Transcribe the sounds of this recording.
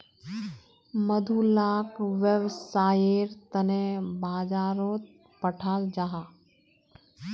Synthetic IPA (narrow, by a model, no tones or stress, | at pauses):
məd̪ʱulaːkʋəʋsaːjeɾt̪ənẽbʱaːd͡ʒaːɾoːt̪̚ | pəʈʰaːld͡ʒaɦaː